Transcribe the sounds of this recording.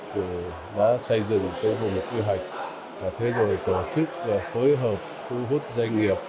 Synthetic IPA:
kɨ˧˩ | ɗa̰ː˧˥sə˧jzɨ̰˧˨ŋt̪əː˨˦jvʊ˨˩ŋ͡mkwi˧ɦa˨˩jk̟̚ | vaː˨˩t̪ʰe˨˦zo˨˩jt̪o˧˩t͡ɕɨ˦˥k̚vaː˨˩fəː˨˦jɦəː˨˩p̚t̪ʰu˧ɦu˦˥t̚za˧jŋ̟ŋi˨˩əp̚

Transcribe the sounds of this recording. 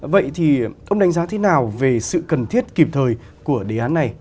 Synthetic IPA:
və̰˧˨jt̪ʰi˨˩ʔə˧wŋ͡mɗa˨˦ŋ̟zaː˨˦t̪ʰe˨˦naː˨˩wve˨˩sɨ̰˧˨kə˨˩nt̪ʰi˦˥ət̚ki˨˩p̚t̪ʰəː˨˩j | ku˧˩əɗe˨˦ʔaː˨˦nːa˨˩j

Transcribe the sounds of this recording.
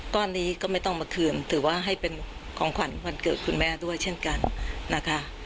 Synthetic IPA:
t̪ɔː˧nːiː˦˥kɔː˥˩ma˥˩jt̪ɔ˥˩ŋmaː˧kʰɯː˧nt̪ʰɯː˩˦waː˥˩ɦa˥˩jpe˧nkʰɔː˩˦ŋkʰwa˨˦nwa˧nkɤː˨˩t̪̚kʰu˧nmɛː˥˩du˥˩əjt͡ɕʰe˥˩nka˧nːa˦˥kʰa˦˥

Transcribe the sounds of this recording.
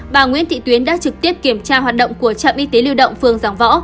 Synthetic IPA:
ɓaː˨˩ŋwḭ˧˥ənt̪ʰḭ˧˨t̪wi˨˦ənɗa̰ː˧˥t͡ɕɨ˨˩k̚t̪i˦˥əp̚ki˧˩əmt͡ɕaː˧ɦwaː˨˩t̚ɗə̰˧˨wŋ͡mku˧˩ət͡ɕa̰ː˧˨mʔi˧t̪e˨˦li˧wɗə̰˧˨wŋ͡mfɨ˨˩əŋzaː˨˩mvɔ̰˧˥

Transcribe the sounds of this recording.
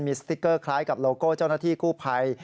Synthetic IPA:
nmiː˧st̪i˦˥kɤː˥˩kʰlaː˦˥jka˨˩p̚loː˧koː˥˩t͡ɕa˥˩wnaː˥˩t̪ʰiː˥˩kuː˥˩pʰa˧j

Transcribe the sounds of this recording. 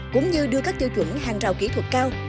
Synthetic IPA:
kʊ̰˧˥ŋ͡mɲɨ˧ɗɨ˧əkaː˦˥k̚t̪i˧wt͡ɕwə̰˧˩nhaː˨˩ŋt͡ɕaː˨˩wki˨˧˥t̪ʰwə˨˩t̚kaː˧w

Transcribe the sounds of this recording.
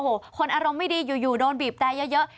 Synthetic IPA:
hoː˨˩˦kʰo˧nʔaː˧ɾo˧mːa˥˩jdiː˧juː˨˩juː˨˩dɔː˧nbiː˨˩p̚t̪ɛː˧jə˦˥jɤ˦˥ʔ

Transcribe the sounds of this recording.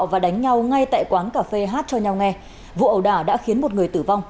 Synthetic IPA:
wvaː˨˩ɗa˨˦jŋ̟ɲa˧wŋa˧jt̪a̰ː˧˨jkwaː˨˦nkaː˧˩fe˧ɦaː˦˥t̚t͡ɕɔ˧ɲa˧wŋɛ˧ | vṵ˧˨ʔə˨˩wɗaː˧˩ɗa̰ː˧˥xi˨˦ənmo˨˩t̚ŋɨ˨˩əjt̪ɨː˧˩va˧wŋ͡m

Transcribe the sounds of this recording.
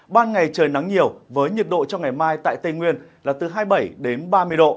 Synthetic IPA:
ɓaː˧nŋa˨˩jt͡ɕəː˨˩jna˨˦ŋɲi˨˩əwvəː˨˦jɲi˨˩t̚ɗo̰˧˨t͡ɕɔ˧ŋ͡mŋa˨˩jmaː˧jt̪a̰ː˧˨jt̪ə˧jŋwi˧ənlaː˨˩t̪ɨ˨˩ɦaː˧jɓə˧˩jɗe˨˦nɓaː˧mɨ˧əjɗo̰˧˨

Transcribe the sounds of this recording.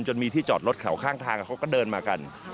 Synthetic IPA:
nt͡ɕo˧nmiː˧iː˥˩t͡ɕɔː˨˩ɾo˦˥t̪̚kʰa̰˨˩˦wkʰaː˥˩ŋt̪ʰaː˧ŋ˨˩kʰa˦˥wkɔː˥˩dɤː˧nmaː˧ka˧n

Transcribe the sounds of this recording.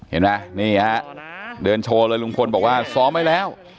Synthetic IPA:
hḛ˨˩˦nma˦˥niː˥˩a˦˥dɤː˧nt͡ɕʰoː˧lɤː˧jlu˧˥˩ŋkʰo˧nbɔː˨˩k̚waː˥˩sɔː˦˥mːa˦˥˩jlɛː˦˥˩w

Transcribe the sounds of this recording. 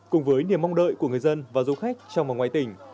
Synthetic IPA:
kʊ˨˩ŋ͡mvəː˨˦jni˨˩əmɔ˧ŋ͡mɗə̰ː˧˨jku˧˩əŋɨ˨˩əjzə˧nvaː˨˩zo˨˦xa˦˥jk̟̚t͡ɕɔ˧wŋ͡mva˨˩ŋwaː˧˨jt̪ï˨˩ŋ̟

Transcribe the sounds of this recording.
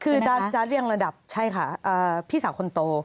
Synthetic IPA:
kʰɯː˧t͡ɕaː˦˥t͡ɕaː˦˥t̪̚ɾi˥˩əŋɾa˧da˨˩p̚t͡ɕʰa˥˩jkʰa˥˩ʔəː˨˩pʰiː˥˩saː˨˦kʰo˧nt̪oː˧

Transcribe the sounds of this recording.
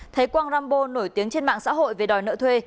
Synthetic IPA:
t̪ʰe˨˦jkwaː˧nzaː˧mɓo˧no˧˩jt̪i˨˦əŋt͡ɕe˧nma̰ː˧˨ŋsa̰ː˧˥ɦo̰˧˨jve˨˩ɗɔ˨˩jnə̰ː˧˨t̪ʰwe˧

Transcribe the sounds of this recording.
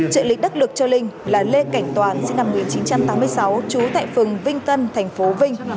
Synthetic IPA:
t͡ɕɨ̰˧˨lï̟˨˦˥ɗk̚lɨ˨˩k̚t͡ɕɔ˧lï˧ŋ̟laː˨˩le˧ka˧˩jŋ̟t̪waː˨˩nsḭ˧ŋna˨˩mu˨i˨˩nt͡ɕi˨˦nt͡ɕa˧mt̪aː˨˦mɨ˧əjsa˨˦wt͡ɕu˨˦t̪a̰ː˧˨jfɨ˨˩əŋvï˧ŋ̟t̪ə˧nt̪ʰɛ˨˩ŋ̟fo˨˦vï˧ŋ̟

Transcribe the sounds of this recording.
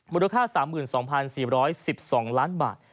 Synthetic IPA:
mu˧˥la˧kʰaː˥˩saː˩˦mːɯː˨˩nsɔː˩˦ŋpʰa˧nsiː˨˩ɾɔː˦˥jsi˨˩p̚sɔː˩˦ŋlaː˦˥nba̰ː˨˩t̪̚

